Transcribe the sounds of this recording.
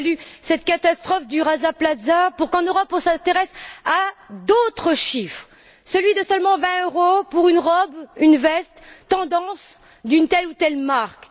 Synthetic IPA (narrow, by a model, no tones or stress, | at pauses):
lysɛt̪̚kat̪ast̪χɔfd̪yʁazaplazapuʁkɑ̃nøʁɔpɔ̃sɛ̃t̪eʁɛsad̪ot̪χəʃifχ | səlɥid̪əsœlmɑ̃vɛ̃øʁopuʁynʁɔbynvɛst̪ːɑ̃d̪ɑ̃s | d̪ynt̪ɛlut̪ɛlmaʁk